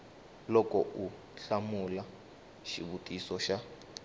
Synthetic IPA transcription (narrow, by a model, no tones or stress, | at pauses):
lɔkʼɔʔu | ɬamula | ʃḭɓutʼisɔʃa